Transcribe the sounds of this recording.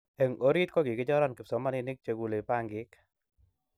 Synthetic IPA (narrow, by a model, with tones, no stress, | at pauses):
ɛ˨ŋo˦ɾi˦t̪̚kɔ˦ki˨kɪ˦t͡ʃɔ˦ɾa˦nkɪ˨psɔ˨˦ma˦ni˧nɪ˦k̚t͡ʃe˧ku˨le˨pa˦ŋɡɪ˦k